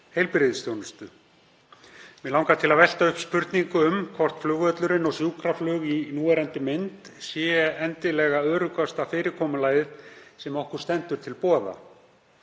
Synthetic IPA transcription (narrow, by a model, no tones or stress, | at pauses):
hejlpɪɾɪðst̪jownʏst̪ʏ | mɛlawŋkat̪ʰɪlaðvɛl̥t̪aʏhpspʏɾt̪niŋkʏʏmkʰvɔr̥t̪flʏːɣœt̪lʏɾɪnɔɣsjuːkʰɾaflʏːɣinuːɛɾɛnt̪ɪmɪnt̪sjɛːɛɛnt̪ɪlɛːɣaœːɾʏkast̪afɪːɾɪkʰɔːmʏlaːjðɪðsɛmɔhkʏɾ̥st̪ɛnt̪ʏɾ̥t̪ʰɪlpɔːða̰